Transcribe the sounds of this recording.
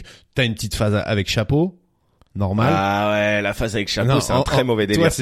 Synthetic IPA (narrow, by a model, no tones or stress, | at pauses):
t̪yaynpət̪it̪fazaa̰vɛkʃapo | nɔʁmalawɛlafazavɛkʃanɔõɛt̪ɛ̃t̪χɛmɔvɛd̪ewas